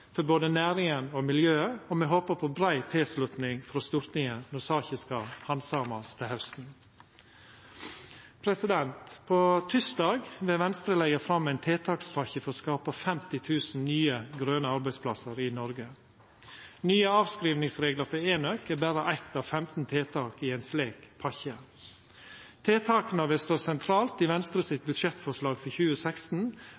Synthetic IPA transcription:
fɔɾboːd̪ənæːɾɪŋənɔmɪljøːəɔmɛɦoːpəpʰobɾæɪt̪ʰeːslʉt̪nɪŋfɔɾoːst̪ʊɾt̪nɪŋənʊsɑːçɪskəhɑnsɑːmɑst̪ʰɪlhɑʉst̪n̩ | pʰɾɛsɪd̪ɛnt̪pʰoːt̪ʰʏsd̪ɑːɡʋɛʋɛnst̪ɾəlɛɪəfɾɑmːæɪnt̪ʰeːt̪ʰɑːksfɑçəfɔɾɔskɑːpəfɛmt̪ɪt̪ʰʉːsn̩nyːəɡɾøːnəɑɾbæɪspʰlɑsəɾɪnɔɾɡə | nyːəɑːʋskɾiːʋnɪŋsɾeːɡləɾfɔeːnœkeːbæɾəʔæɪt̪ɑːʋfɛmt̪n̩t̪ʰeːt̪ʰɑːkiːeːnsleːkpʰɑçə | t̪ʰeːt̪ʰɑːkənəʋɛst̪oːsɛnt̪ʰɾɑːlt̪iːʋɛnst̪ɾəsɪt̪̚bʉd̪ʃɛt̪fɔʂlɑːɡfɔçʉːəsækst̪n̩

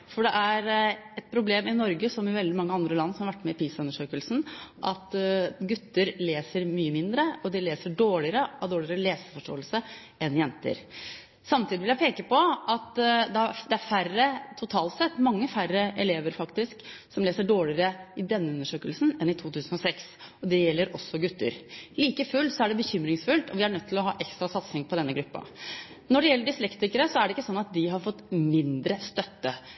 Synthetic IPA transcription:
fɔɖɛʔæɾɛt̪̚pʰɾʊbleːmɪnɔɾɡəsɔmɪʋɛld̪ɪmɑŋːəɑnd̪ɾəlɑnːsɔmhɑʋæʈːmɛɪpʰiːsʉnːəʂøːkəlsn̩ʔɑt̪ɡʉt̪ːəɾleːsəɾmyːəmɪnd̪ɾəɔd̪ɪleːsəɖoːɭɪəɾəɑʋd̪oːɭəɾəleːsəfɔʂʈo̰ːəlsə | ɛnjɛnt̪ə̰ɾ | sɑmt̪iːd̪ɪʋɪljæɪpʰeːkəpɔɑt̪d̪ɛd̪ɛæɾfærːət̪ʰʊt̪ʰɑːlt̪sɛt̪ːmɑŋːəfærːəʔɛleːʋəɾfɑkt̪ɪsksɔmleːsəɖoːɭɪəɾəɪd̪ɛnːəʉnːəʂøːkəlsn̩ɛnɪt̪ʰuːt̪ʰʉːsənɔsɛksɔd̪ɛjɛlːəɾʔɔsːɔɡʉt̪ːə̰ɾliːkəfʉlsɔæɖɛbəçʏmɾɪŋsfʉlt̪ɔ̰ʋɪæɳœt̪ːʰɪlɔɦɑ̰ːʔɛkst̪ɾɑsɑt̪sɪŋpʰɔd̪ɛnːəɡɾʉpːɑ̰ | nɔɖɛjɛlːəɖɪslɛkt̪ɪkəɾəsɔæɖɛɪkːəsɔnːɑt̪̚d̪ɪɦɑɾfɔt̪ːmɪnd̪ɾəst̪œt̪ːə

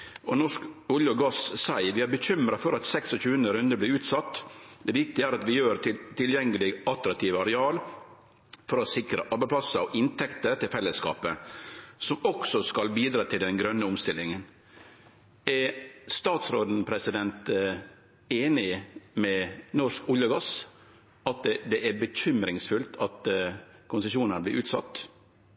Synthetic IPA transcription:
ɔnɔʂkʊljəɡɑssæɪʋɪhæɾbəɕʏmɾɑfɔɾɑt̪sɛksɔçʉːənəɾʉnd̪əɾblɪɾʉːt̪sɑt̪ːd̪ɛʋɪk̚t̪ɪæːɾɑt̪ʋɪjøːɾt̪ʰɪlt̪ʰɪljɛŋːəlɪɡɑlt̪ɾɑk̚t̪ʰiːʋɑɾɛɑːl | fɔɾɔsɪkɾəʔɑɾbæɪpʰlɑsəɔʔɪnt̪ʰɛkt̪əɾt̪ʰɪlfɛlːəskɑ̰ːpəsɔmɔksɔskɑlbiːd̪ɾɑːt̪ʰɪld̪ɛnɡɾœnːəʊmst̪ɪlːɪŋən | æɾst̪ɑːt̪sɾoːd̪n̩pʰɾɛsɪd̪ɛnt̪ | eːnɪmɛnɔʂkʊljəɡɑs | ʔɑt̪d̪ɛʔæɾbəçʏmɾɪŋsfʉlt̪ʰɑt̪kʰʊnsəʃuːnənblɪːʔʉːt̪sɑ̰t̪ː

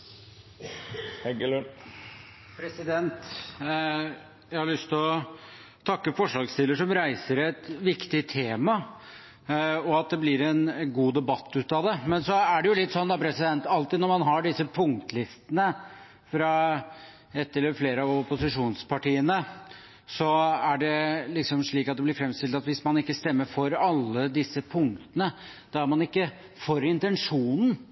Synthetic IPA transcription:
hɛɡl | pʰɾɛsɪd̪ɛnt̪ | jæɪhɑɾɭʏst̪ʰɪlɔt̪ʰɑkːəfɔʂlɑːɡst̪ɪlːəʂɔmɾæɪsəɾæt̪ʋɪkt̪ɪt̪ʰeːmɑ | ɔɑt̪̚d̪ɛblɪɾɛnɡuːd̪ɛbɑt̪ʰːʉːt̪ɑd̪ɛmɛnsɔæɖɛjʊlɪt̪ːsɔnːd̪ɑpʰɾɛsɪd̪ɛnt̪ɑlt̪ɪnɔɾmɑnɦɑɖɪsːəpʰʊŋkt̪lɪst̪ənə | fɾɑ | ɛt̪ːɪləfleːɾəɑʋʊpʊsɪʂuːnspʰɑʈiːənə | sɔæɖɛlɪksɔmʂɭiːkɑt̪̚d̪ɛblɪɾfɾɛmst̪ɪlt̪ɑt̪ʋɪsmɑnɪkːəst̪ɛmːəɾfɔɾɑlːəd̪ɪsːəpʰʊŋkt̪ənə | d̪̥ɑæɾmɑnɪkːə | fɔɾɪnt̪ɛnʂuːnn̩

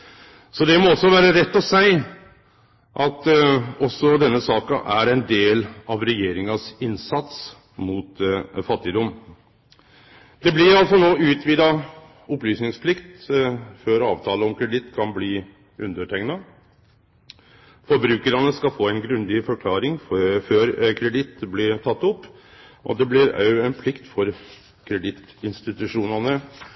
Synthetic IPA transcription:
sɔd̪ɛmɔɔsːɔʋæːɾəɾɛt̪ːɔsæɪ | ʔɑt̪ɔsːɔd̪ɛnːəsɑːkɑʔæɾɛɪnd̪eːlɑʋɾɛjeːɾɪŋɑsɪnsɑt̪s | muːt̪fɑt̪ːɪd̪ɔm | d̪ɛblɪɾɑlsɔnoːʉːt̪ʋiːd̪ɑ | ɔplyːsnɪŋspʰlɪkt̪føːɾɑːʋt̪ʰɑːləɔmkʰɾɛd̪ɪt̪ːkʰɑnbliː | ʔʉnd̪əʈʰɛŋnɑ | fɔɾbɾʉːkəɾɑnəskɑfoːæɪnɡɾʉnd̪ɪfɔɾkʰlɑːɾɪŋfføːɾkʰɾɛd̪ɪt̪blɪt̪ʰɑt̪ːʊpːʔɔ̰d̪ɛblɪɾœʉɛnpʰlɪkt̪fɔɾ | kʰɾɛd̪ɪt̪ | ɪnst̪ɪt̪ʉʂuːnɑnə

